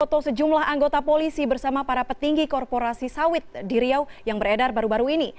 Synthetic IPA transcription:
ɔt̪osəd͡ʒumlahaŋɡot̪apolisibərsamapaɾapət̪iŋɡikɔrpoɾasisawɪt̪̚diɾiawjaŋbərɛdarbaɾubaɾuini

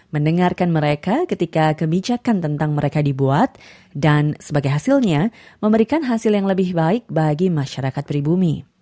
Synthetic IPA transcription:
məndəŋarkanməɾekakət̪ikakəbid͡ʒakant̪ənt̪aŋməɾekadibuat̪̚ | dansəbaɡajɦasɪlɲaməmbəɾikanɦasɪljaŋləbɪhbaɪk̚baɡimaʃaɾakat̪̚pɾibumi

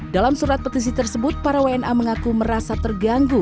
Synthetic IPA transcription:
dalamsuɾat̪̚pət̪is̬it̪ərsəbʊt̪̚paɾawaɛnʔaməŋakuməɾasat̪ərɡaŋɡu

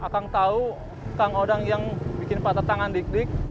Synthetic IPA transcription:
ʔakaŋt̪au | kaŋodaŋjaŋbikɪnpat̪at̪aŋandik̚dɪk̚

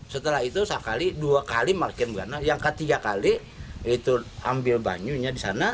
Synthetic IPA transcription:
sət̪əlahit̪usakaliduakalimarkɪnbɡanajaŋkət̪iɡakali | it̪uambɪlba̰ɲuɲadisana

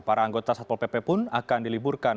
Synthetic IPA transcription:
paɾaːŋɡot̪asat̪̚ɔlpepɛpʊnakandiliburkan

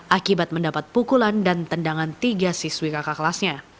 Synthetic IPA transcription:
ʔakibat̪̚məndapat̪̚pukulandant̪əndaŋant̪iɡasiswikakaklasɲa

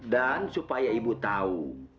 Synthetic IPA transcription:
dansupajaibut̪au

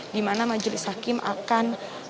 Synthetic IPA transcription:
dimanamad͡ʒlɪshakɪmʔa̰kan

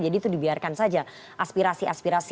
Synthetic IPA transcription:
d͡ʒadit̪udibiarkansad͡ʒa | ʔaspiɾasiʔaspiɾas

